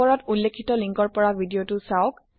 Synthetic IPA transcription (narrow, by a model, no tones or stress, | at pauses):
ɔɹɔtulːekʰːitɔliŋkɔɹpɔɹabʱidiotʊsaʊk